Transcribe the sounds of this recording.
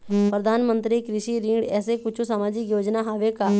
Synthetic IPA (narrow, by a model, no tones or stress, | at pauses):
pɾəd̪ʱaːnmə̃nt̪ɾikɾɪʃiːɾĩŋɖɛːsekʊt͡ʃʰusaːmaːd͡ʒɪkjoːd͡ʒnaːɦaːʋeːkaː